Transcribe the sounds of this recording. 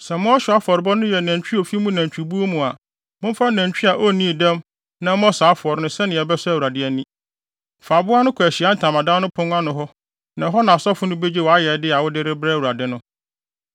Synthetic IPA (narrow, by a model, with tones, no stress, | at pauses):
sɛ˨mʊ̃˦ɔ˦ɕᶣɪ˨a˦fɔ˨ɾɪ˨˦bɔ˦nʊ̃˦jɛ˨næ̃˨ɲt͡ɕᶣi˦o˨fi˦mũ˦næ̃˨t͡ɕᶣi˨bu˦o˦mũ˨a˨ | mʊ̃˦m˦fa˦næ̃˨ɲt͡ɕᶣi˦a˨ʔɔ˦˨nĩ˦˨dɛ̃˦m | nã˦m˦ɔ̃˦saː˨˦fɔ˨ɾnʊ̃˦sɛ˦nɪ̃˨ɛ˨bɛ˦sʊ˦æ˦˨wu˨ɾa˨dɪ˦ɛ˨nĩ˦ | fa˨bʊ˦a˦nʊ̃˦kʰæ˨ɕi˨a˦n̩˨tʰã˨mã˨dã˦nʊ̃˦pʰʊ̃˦n˦a˦nʊ̃˨ɦɔ˦ | nã˨ɦɔ˦nã˨sɔ˦fʊ˦nʊ̃˦be˦d͡ʑi˦wɔ˨a˦jɛ˨˦dɪ˦a˨wʊ˦dɪ˦ɾɪ˦bɾɛ˦˨wu˨ɾa˨dɪ˦nʊ̃˦